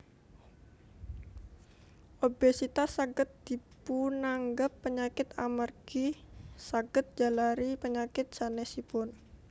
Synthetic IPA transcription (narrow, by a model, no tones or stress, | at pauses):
ʔobesit̪asaɡət̪̚d̪̥ipunaŋɡapːəɲakɪt̪a̰mərɡ̥isaɡ̥ət̪̚d͡ʒ̥alaɾipəɲakɪt̪̚sanɛsipʊn